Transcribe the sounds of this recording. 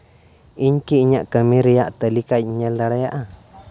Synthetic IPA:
iɲkiɲãʔkəmĩɾijaʔt̪əlikaɲẽld̪aɾajaʔa

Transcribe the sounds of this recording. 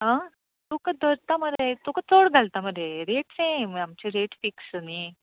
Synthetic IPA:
ɦã | t̪ukad̪əɾt̪aməɾet̪ukat̪ʰoɽɡʱalt̪aməd̪eɾeʈsẽamt͡ɕeɾeʈfiksni

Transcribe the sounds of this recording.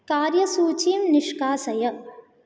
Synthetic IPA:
kaːɾjɐsuːt͡ʃiːmnɪʃkaːsɐjɐ

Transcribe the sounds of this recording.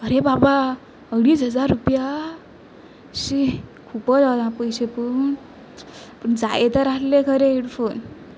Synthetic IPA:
əɾebaba | əɡɽiːsɦəd͡zaɾːupja | si | kʰupɔd͡zawdãpəjsepun | pund͡za̰jet̪əɾakʰlekʰəɾeiɽfʰon

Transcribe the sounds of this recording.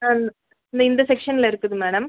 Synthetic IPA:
nː | nd̪ɐind̪ɐsekʂɐnːilɐɾukːɐðɯmeːɽɐm

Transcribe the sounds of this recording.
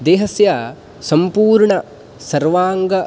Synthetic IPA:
d̪eːɦɐsjɐ | sɐmpuːɾɳɐ | sɐɾʋaːŋɡɐ

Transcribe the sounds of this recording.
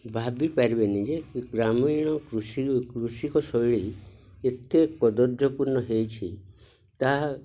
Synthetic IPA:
bʱabipaɾibenid͡ʒeɡɾamiɽ̃ɔkɾusikɾusikɔsɔjɭiet̪ekɔd̪ɔd̪ɔpuɾnɔɦejt͡ʃʰi | t̪aɦ

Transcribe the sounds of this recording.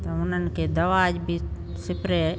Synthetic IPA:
t̪ɐʊn̤ən̆kʰeːd̪əʋaːd͡ʒbʱi | sɪpɾe

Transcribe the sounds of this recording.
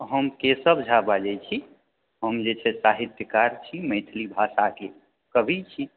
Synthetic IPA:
ɦəmkesəbd͡ʒʱabad͡ʒɛt͡ʃʰi | ɦəmd͡ʒet͡ʃʰɛsaɦid̪jəkaɾt͡ʃʰiməjt̪ʰlibʱasake | kəbʱit͡ʃʰi

